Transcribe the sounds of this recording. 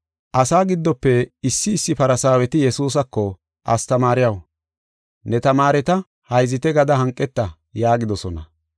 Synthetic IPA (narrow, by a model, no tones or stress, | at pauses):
ʔɐsaːɡɪd̪ːɔpːɛɪsːɪːsːɪpɐɾɐsaːwɛt̪ɪjɛsuːs̬ɐkːɔ | ʔɐst̪ɐmaːɾɪjɐw | nɛt̪ɐmaːɾɛt̪ɐ | hɐjzɪt̪ɛɡɐd̪ɐɦɐŋkʼːɛt̪ːɐ | jaːɡɪd̪ɔsɔnɐ